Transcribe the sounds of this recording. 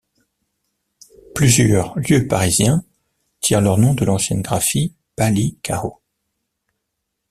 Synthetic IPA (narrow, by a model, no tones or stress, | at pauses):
plyzjœʁljøpaʁizjɛ̃ | t̪ʰiʁlœʁnɔ̃d̪əlɑ̃sjɛnɡʁafi | palikʰaʁo